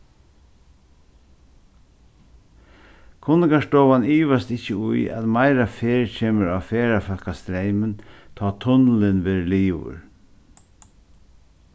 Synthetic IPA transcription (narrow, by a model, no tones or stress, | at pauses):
kʰʊnɪɡaʂtɔːʋaniːʋast̪ɪcːəʊja̰t̪maɪɾafeːɹt͡ɕʰeːməɹafeːɾafœlkast̪ɾeɪmənt̪ʰɑːt̪ʰʊnlɪnʋeːɾliːʋʊ̰ɹ